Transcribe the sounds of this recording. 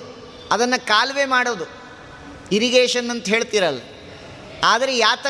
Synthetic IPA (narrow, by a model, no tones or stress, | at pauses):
ɐd̪ɐnːɐkaːlʋe̞ːmaːɽoːd̪u | iɾiɡeːʃɐnːɐnt̪ɐɦe̞ːɭt̪iːɾɐlːɐ | aːd̪ɐɾejaːt̪ɐ